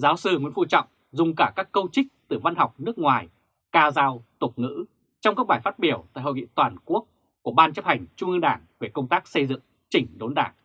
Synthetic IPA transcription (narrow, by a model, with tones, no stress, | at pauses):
zaː˨˦wsɨ˧ŋḭ˧˥ənvu˧t͡ɕɔ̰˧˨wŋ͡m | zʊ˨˩ŋ͡mkaː˧˩kaː˦˥kːə˧wt͡ɕï˦˥k̟̚t̪ɨ˨˩va˧nɦa˨˩wk͡p̚nɨ˦˥ək̚ŋwaː˨˩j | kaː˧zaː˧wt̪ʊ˨˩k͡p̚ŋɨ̰˧˥ | t͡ɕɔ˧wŋ͡mkaː˦˥k̚ɓaː˧˩jfaː˦˥t̚ɓi˧˩əwt̪a̰ː˧˨jho˧˨jŋḭ˧˨t̪waː˨˩nku˦˥ək̚ | ku˧˩əɓaː˧nt͡ɕə˦˥p̚ha˨˩jŋ̟t͡ɕʊ˧ŋ͡mʔɨ˧ŋɗaː˧˩ŋve˨˩kə˧wŋ͡mt̪aː˦˥k̚sə˧jzɨ̰˧˨ŋ | t͡ɕï˧˩ŋ̟ɗo˨˦nɗaː˧˩ŋ